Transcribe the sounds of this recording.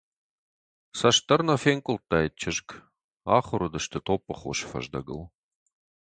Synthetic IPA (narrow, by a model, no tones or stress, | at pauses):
sɐʃt̪ɐrnɐfeŋkʷʼʊltːaːjit̚t͡ʃʰɪʒk | aːχʷʊɾʊdɨʃt̪ʰɨt̪ʰopʼːəχʷo̰ʃfɐ̰ʒd̪ɐ̰ɡɨ̰l